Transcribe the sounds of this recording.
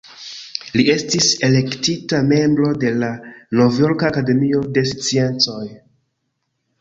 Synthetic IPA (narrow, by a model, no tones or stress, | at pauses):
lie̞stise̞le̞ktitame̞mbɾo̞de̞lano̞vjo̞ɾkaːkade̞mio̞de̞st͡sie̞nt͡so̞j